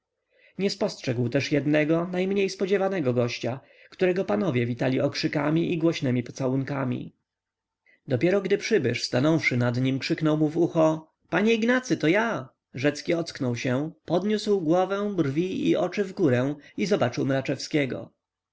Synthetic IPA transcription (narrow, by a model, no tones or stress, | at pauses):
ɲɛspɔstʂɛɡwt̪ɛʂjɛd̪nɛɡɔnajmɲejspɔd͡ʑɛvanɛɡɔɡɔɕt͡ɕa | kt̪uɾɛɡɔpanɔvʲjɛvʲit̪alʲiɔkʂɘkamʲiʔiɡwɔɕnɛmʲipɔ̥t̪sawuŋkamʲḭ | d̪ɔpʲjɛɾɔɡd̪ɘpʂɘbɘʂst̪anɔwfʂɘnad̪ɲimkʂɘknɔwmuvuxɔ | paɲɛiɡnat̪sɘt̪ɔja | ʐɛt̪skʲiɔt̪sknɔwɕɛpɔd̪ɲuswɡwɔvɛ̃w̃brvʲiḭʔɔt͡ʂɘvɡuɾɛw̃izɔbat͡ʂɘwmɾat͡ʂɛfskʲɛɡɔ̰